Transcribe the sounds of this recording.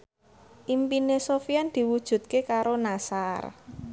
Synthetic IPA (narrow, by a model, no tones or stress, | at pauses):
ʔimpinesofiand̪̥i̤wud̥ʒ̥ṳt̪̚kekaɾonasar